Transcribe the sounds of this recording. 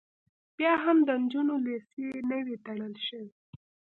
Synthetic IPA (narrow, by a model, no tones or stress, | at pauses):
b̥jɑɦamd̪ənd͡ʒunolesenəwit̪aɳ̃əlʃəwi